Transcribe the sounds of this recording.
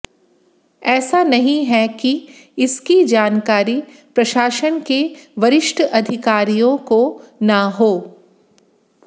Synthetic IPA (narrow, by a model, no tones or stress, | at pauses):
ɛːsanɐɦĩɦɛkiɪskid͡ʒaːnkaːɾi | pɾɐʃaːʃənkeʋɐɾɪʃʈʰəʔɐd̪ʱɪkaːɾijõkonaɦoː